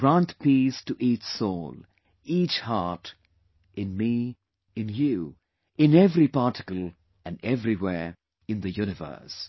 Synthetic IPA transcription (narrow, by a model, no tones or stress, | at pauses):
ɡ̥ɹãntpistɨʔit͡ʃsoːl | it͡ʃhɑɹt | ʔɨ̃nmi | ɨ̃nju | ɪ̃nɛvɾipɑːtɪkəl̩ | ɨ̃nɛvɹiwɛɹ | ɨ̃nðɨjuñɨvə̰˞s